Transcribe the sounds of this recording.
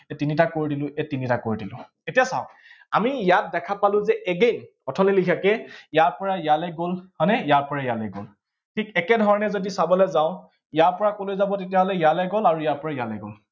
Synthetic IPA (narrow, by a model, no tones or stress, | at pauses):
ɛtinitakoɹidilʊ̃ʔɛtinitakoɹidilʊ̰̃ | etijasaʊ̃ | amijat̚dɛkʰapalʊ̃zɛʔɛɡejn | ɔtʰɔlilikʰakɛijaɹpɔɹajalɛɡolhɔnɛjaɹpɔɹajalɛɡo̰l | tʰikɛkɛdʱɔɹɔnɛzodisabɔlɛzaʊ̃ | ijaɹpɔɹakolojzabɔtetijaɦɔlɛjalɛɡolaɹujaɹpɔɹaijalɛ̰ɡo̰l